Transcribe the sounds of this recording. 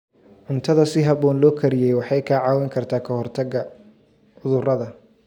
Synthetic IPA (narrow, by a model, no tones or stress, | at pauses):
ʕʊnt̪ʰɐðɐsɪɦɐβɔːnlɔːkʰɐɾɪjɛjwɑħɑjkʰɐʕɑːwɛŋkʰɐrt̪ʰaːkʰɐhɔrt̪ʰɐɡɐ | ʊðʊrɐðɐ